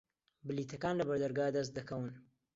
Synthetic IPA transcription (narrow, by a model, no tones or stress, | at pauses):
bɨliːt̪ʰɐkaːnlɐbɐɾd̪ɐɾɡaːd̪ɐs̬t̪̚d̪ɐkɐwɨn